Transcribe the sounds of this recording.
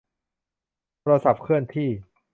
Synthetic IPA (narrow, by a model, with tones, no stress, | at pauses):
t̪ʰɾa˧sa˨˩p̚kʰɯ˥˩ənt̪ʰiː˥˩